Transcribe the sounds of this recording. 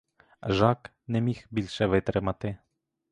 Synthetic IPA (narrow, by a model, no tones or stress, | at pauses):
ʒɑk | nɛmʲixbʲilʲʃɛʋɪt̪ɾɪmɐt̪ɪ